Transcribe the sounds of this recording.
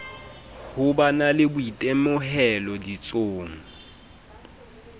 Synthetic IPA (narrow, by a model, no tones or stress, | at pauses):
hʊbanalɪbʊitʼemʊhɛlɔdit͡sʼoːŋ̩